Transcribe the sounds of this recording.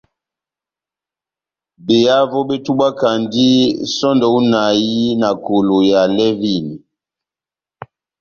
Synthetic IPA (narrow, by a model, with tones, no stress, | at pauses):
be˨ja˦vɔ˦ɓe˦tu˦ɓa˦ka˨ndi˦sɔ˦ndɔ˨u˦na˨ji˦na˨ko˨lo˨ja˨lɛ˦vi˦˨ni˨